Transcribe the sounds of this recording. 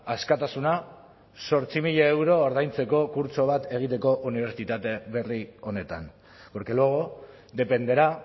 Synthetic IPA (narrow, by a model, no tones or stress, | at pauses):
askat̪asuna | so̞ɾt͡simiʎaewɾo̞ːɾðajnt͡se̞ko̞kuɾt͡so̞β̞at̪e̞ɣ̞it̪e̞ko̞ʔuniβ̞e̞ɾt͡sit̪at̪e̞βe̞rio̞ne̞t̪a̰n | oɾkeloɣo | d̪e̞pe̞nd̪e̞ɾa